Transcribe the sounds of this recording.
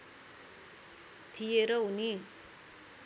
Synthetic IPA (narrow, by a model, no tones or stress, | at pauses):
t̪ʰijeɾʌɦuni